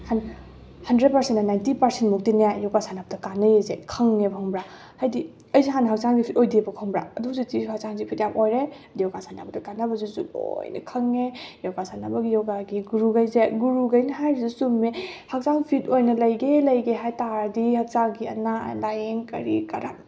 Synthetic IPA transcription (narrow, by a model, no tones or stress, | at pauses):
han | hɐndɾed̚pɐɾsentːɐnajntipɐɾsentmuk̚tinjajɔwkasʰanab̚tɐkanɐjezekʰɐŋːepʰaŋbɾa | hajdi | ɐjziɦanɦak̚t͡ʃaŋɡipʰitojdibɐkʰoŋbɾa̰ɐdusutihak̚t͡ʃaŋzipʰitjapojɾe | dijɔwɡasanabɐtɐkanɐbɐzisṵo̰jnɐ̰kʰɐŋejowɡasanɐbɐɡijɔwɡaɡiɡuɾuɡajzeɡuɾuɡɐjnɐɦajɾizusumːehak̚saŋpʰitojnɐlɐjɡelɐjɡeɦajtaɾdihak̚t͡ʃaɡiɐ̰na̰ndajeŋkɐ̰ɾḭkɐɾa̰n